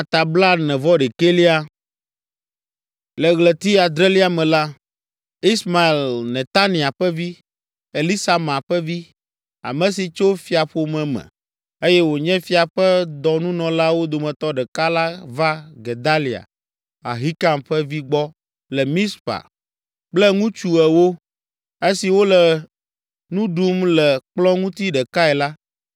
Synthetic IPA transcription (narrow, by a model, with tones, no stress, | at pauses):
a˨t̪a˨bla˦nɛ̃˨vɔ˦ɖɛ˨ke˦li˦a˦ | lɛ˨ɣlɛ˨t̪i˦a˨d̪ɾɛ˦li˦a˨mɛ̃˨la˦ | i˦sma˨e˨llnɛ̃˨t̪a˦nĩ˨a˨ɸɛ˦vi˦ | e˨li˦sa˨mã˨ɸɛ˦vi˦ | a̰˨mɛ̃˨si˨t͡ʃo˦fi˨a˨ɸo˦mɛ̃˨mɛ̰̃˨ | e˦jɛ˦wo˨ɲɛ̃˦fi˨a˨ɸɛ˦d̪ɔ˨nũ˦nɔ̃˨la˦wo˦d̪o˨mɛ̃˨t̪ɔ˦ɖɛ˨ka˦la˦va˦ɡe˨d̪a˦li˨a̰˨ | a̰˨ɦi˦ka˨mɸɛ˦vi˦ɡ͡bɔ˦ | lɛ˨mĩ˦spa̰˨ | k͡plɛ˦ŋũ˦t͡ʃu˨ɛ˨wo˦ | e˦si˨wo˦lɛ˨ | nũ˦ɖu˦mlɛ˨k͡plɔ̃˦ŋũ˦t̪i˦ɖɛ˨ka˦ɛ˨la˦